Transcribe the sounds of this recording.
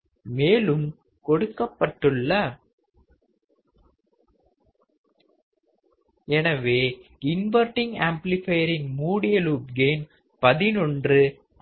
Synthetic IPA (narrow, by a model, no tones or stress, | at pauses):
meːlɯm | kɔɽɯkːɐpːɐʈːɯɭːɐ | ɛnɐʋeːɪnʋɐɾʈɪŋɡaːmplɪfɐjɐɾɪŋmuːɽɪjɐluːpɡeːm | pɐðɪnɔndrɯ